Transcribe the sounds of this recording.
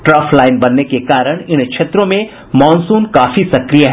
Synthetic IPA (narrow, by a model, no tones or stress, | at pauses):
ʈɾɐːfʰlaːɪnbɐnːekekaːɾəɽ̃ɪnkʃʰeːt̪ɾõmẽ | mɔːnsuːnkaːfisɐkɾijaɦɛ